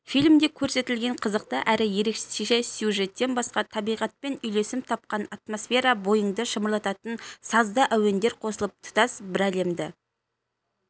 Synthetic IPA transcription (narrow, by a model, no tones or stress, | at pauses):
fijlʲmd̪e̞kʲʰɵɾse̞t̪ɪlɡʲe̞ɴqʰəzəqt̪əʔæɾɪje̞ɾe̞kʃe̥seʃesjuʒe̞t̪ːe̞nbɑsqɑt̪ʰɑbijʁɑt̪̚pe̞nʏjle̞sɪmt̪ʰɑp̚qɑnɑt̪mo̞sfʲe̞ɾɑbo̞jəɴd̪əʃəməɾlˠɑt̪ɑt̪ənsɑzd̪əʔæwe̞nd̪e̞ɾqʰo̞səlˠəp̚t̪ʰʊ̥t̪ɑsbɪɾæle̞md̪ɪ